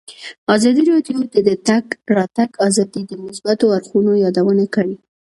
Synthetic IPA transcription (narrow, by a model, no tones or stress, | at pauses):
ɑzɑd̪iɾɑɖjod̪əd̪ət̪aɡɾɑt̪aɡɑzɑd̪id̪əmʊsbat̪oaɾxunojɑd̪awənakəɽi